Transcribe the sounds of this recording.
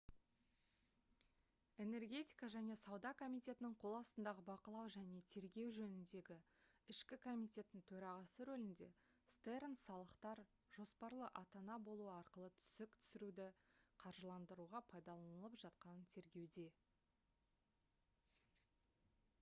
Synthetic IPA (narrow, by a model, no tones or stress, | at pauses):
e̞ne̞rɡʲe̞t̪ʲijkɑʒæne̞sɑwd̪ɑkʰo̞mijt̪ʲe̞t̪ɪnɪɴqʰo̞lˠɑst̪ənd̪ɑʁəbɑqəlˠɑwʒæne̞t̪ʰe̞ɾɡʲe̞wʒɵnɪnd̪e̞ɡʲɪ | ɪʃkʲɪkʰo̞mʲit̪ʲe̞t̪ːɪŋt̪ʰɵɾɑʁɑsəɾɵlɪnd̪e̞̰ | st̪eɾnsɑlˠəqt̪ɑɾ | ʒ̥o̞spɑɾlˠəʔɑt̪ɑnɑbo̞lˠuəɑɾqəlˠət̪ʰʏ̥sɪk̚t̪ʰʏ̥sɪɾud̪ɪqʰɑɾʒəlˠɑnd̪əɾuʁɑpʰɑjd̪ɑlˠɑnnəlˠəpʒ̥ɑt̪qɑnət̪ʰe̞ɾɡʲe̞wd̪e̞